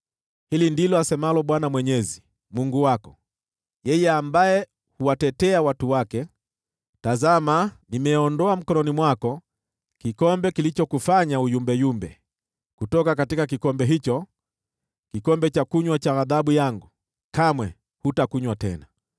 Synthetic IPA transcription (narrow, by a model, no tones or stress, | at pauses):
hilindilɔasɛmalɔɓwanamwɛɲɛzi | muŋɡuwakɔ̥ | jɛjɛambajɛ | huwatɛtɛawatuwakɛ | tazamanimɛɔndɔam̩kɔnɔnimwakɔ | kikɔmbɛkilit͡ʃɔkufaɲaujumbɛjumbɛ | kutɔkakatikakikɔmbɛɦit͡ʃɔ | kikɔmbɛt͡ʃakuɲwat͡ʃaaðaɓujaŋɡu | kamwɛ | hutakuɲwatɛ̰na